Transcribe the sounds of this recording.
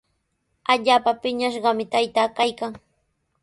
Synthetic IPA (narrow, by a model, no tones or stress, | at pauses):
aʎaːpapɪɲaʃɢɑmɪt̪ajt̪aːkajkaŋ